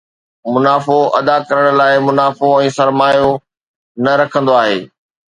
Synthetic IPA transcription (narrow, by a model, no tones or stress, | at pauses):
mʊnaːfoʔɐd̪akɐɾəɽ̃̆laːɪmʊnaːfoɛ̃ːsɐɾmaːjo | nɐɾɐkʰə̃nd̪oaːɦḛː